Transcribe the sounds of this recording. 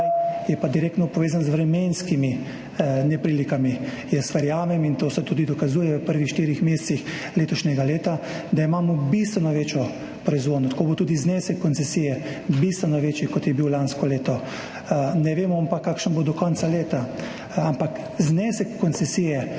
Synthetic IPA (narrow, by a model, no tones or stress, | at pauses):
jɛpad̪iɾeːk̚t̪nɔpɔʋeːzanzʋɾɛmenskimi | nɛpɾiːlikami | jɛsʋɛɾjaːmɛmint̪oːsɛt̪uːd̪id̪ɔkazuːjɛʋəpəɾʋixʃt̪iːɾixmeːst̪six | leːt̪ɔʃnʲɛɡaleːt̪a | d̪aimaːmɔbist̪ʋɛnɔʋeːt͡ʃjɔ | pɾɔizʋoːd̪nɔt̪koːbot̪uːd̪iznɛːsɛkːɔnt̪sɛsiːjɛ | bist̪ʋɛnɔʋeːt͡ʃjikɔt̪jɛbiwlanskɔleːt̪ɔ | nɛʋeːmɔampakːaːkʃənbod̪ɔkɔnsaleːt̪a | ampak | zneːsɛkːɔnt̪sɛsijɛ